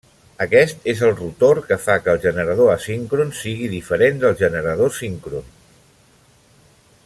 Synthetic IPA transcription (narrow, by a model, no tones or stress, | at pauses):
əkɛst̪ezəlˠrut̪oɾkəfakəːlˠʒənəɾəð̞oəsiŋkɾunsiɣ̞iðifəɾend̪əlˠʒənəɾəð̞osiŋkɾun